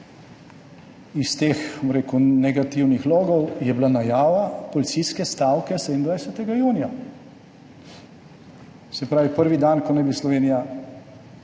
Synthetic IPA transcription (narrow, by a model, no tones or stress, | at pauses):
ist̪eːxmɾeːkunɛɡat̪iwnixlɔːɡɔwjɛblanajaːʋapɔlit̪siskɛst̪aːwkɛsɛd̪ind̪ʋajsɛt̪ɛɡajuːnija | sɛpɾaːʋipəɾʋid̪ankɔnɛjbislɔʋeːnija